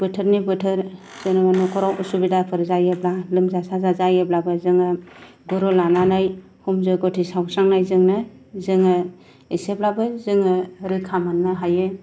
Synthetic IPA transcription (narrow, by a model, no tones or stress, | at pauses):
b̥ɯtʰɯɾnibɯtʰɯɾ | z̥ɯnɯmanɔkʰɔɾawusubidapʰɯɾzajɯblalɯmzasazazajeblabɯzɯŋɯ | ɡɯɾɔlananaj | humzɔjɡɔtʰisawsaŋnajzɯŋnɯ | zɯŋɯ | eseblabɯzɯŋɯɾɯkʰamanːɯɦajɯ